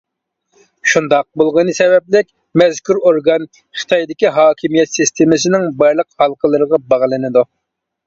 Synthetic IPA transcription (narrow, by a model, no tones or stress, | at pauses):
ʃund̪ɑq̚bolˠʁənɨsɛvɛp̚lɪkʲ | mɛzkʲyɾoɾɡɑn | χə̥t̪ʰɑjd̪ɪkʲiɦɑːkʲʰimijɛt̪sist̪ʰemɨsɪnɪŋbɑjɾlˠəqhɑlˠqʰəlˠɨɾəʁɑbɑʁlˠɨnɨd̪u